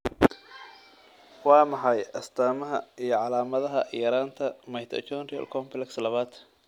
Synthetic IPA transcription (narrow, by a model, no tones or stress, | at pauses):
wɑːmɑħɑjʔɐst̪ʰaːmɐɦɐ̰ijɞʕɑlaːmɐðɐɦɐʔjɐɾaːnt̪ʰɐmɐjt̪ʰɐ̰t͡ʃɔnrɪɐ̰lkʰɔmplɛkslɐβaːd̪